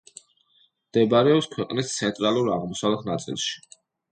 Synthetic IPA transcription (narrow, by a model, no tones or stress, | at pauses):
d̪̥ɛbɾɛɔpskʰwɛqʼnist̪sʰɛnt̪ʼɾalˠuɾaʁmɔsalˠɛχnat̪sʼḭlˠʃi̥